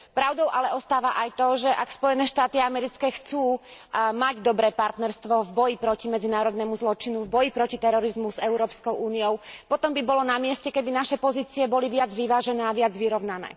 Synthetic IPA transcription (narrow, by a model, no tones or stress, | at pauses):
pɾaʊd̪ɔʊʔalɛɔst̪aːʋaʔajt̪ɔʒɛʔakspɔjɛnɛːʃt̪aːt̪iamɛɾit͡skɛːxt͡suːmaɟd̪ɔbɾɛːpaɾt̪nɛɾst̪ʋɔvbɔjipɾɔcimɛd͡zinaːɾɔd̪nɛmuzlɔt͡ʃinuvbɔjipɾɔcit̪ɛɾɔɾizmuzɛʊɾɔːpskɔʊʔuːnijɔʊpɔt̪ɔmbibɔlɔnamɪɛscɛkɛbinaʃɛpɔziːt͡siɛbɔliʋɪad͡zʋiʋaːʒɛnɛːaʋɪad͡zʋiɾɔʊnanɛ̰ː